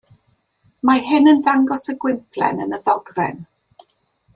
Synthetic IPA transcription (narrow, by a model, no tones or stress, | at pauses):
maɦɪnəndaŋɡɔsəɡwɪmpʰlˠɛ̰nənəðɔɡvɛ̰n